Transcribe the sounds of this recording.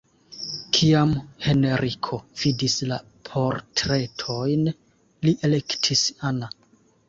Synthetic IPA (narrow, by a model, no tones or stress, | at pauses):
kʰiamhe̞ne̞ɾikʰo̞v̥idisla̰ | pʰo̞ɾtɾe̞tʰo̞jn | liʔele̞ktʰisana